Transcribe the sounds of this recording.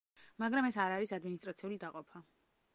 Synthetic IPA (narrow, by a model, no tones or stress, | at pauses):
maɡɾamɛsaɾaɾisad̪minist̪ʼɾat̪sʰiulid̪aqʼɔpʰa